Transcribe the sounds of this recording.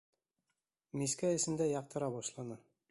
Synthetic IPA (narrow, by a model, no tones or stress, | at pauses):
miskæjɘ̆sɘ̆nd̪æjɑq̚t̪ɤ̆ɾɑbɒʃlˠɑnɤ